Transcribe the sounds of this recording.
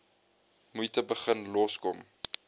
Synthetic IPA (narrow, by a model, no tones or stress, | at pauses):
mujtəbəχənlɔskɔm